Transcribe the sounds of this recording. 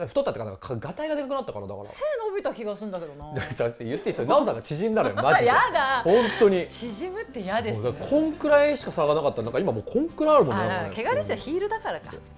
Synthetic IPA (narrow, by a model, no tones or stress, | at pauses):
kaɸɯ̟t̪ot̪ːat̪ːekanãkakʰaɡat̪aiɡad̪e̞kakɯ̟nat̪ːakaɾad̪a̰kɾa̰seːnobʲit̪akʲiɡasɨɯ̃nd̪ake̞d̪onaataejɯ̟t̪ːeisoenaosaŋɡat͡ɕiʑĩnd̪anjomaʑijad̪ahõ̞nt̪o̞ɲ̟it͡ɕiʑimɯ̟t̪ːejad̪esd̪akkʰõ̞ŋkɯ̟ɾaiɕi̥kasaɾaɡanakat̪ːaɾnãŋkːaimamoːkʰõŋkɯ̟ɾaːɾɯ̟monnaaekeɡad̪eɕiaçiːɾɯ̟d̪akaɾakḁ̰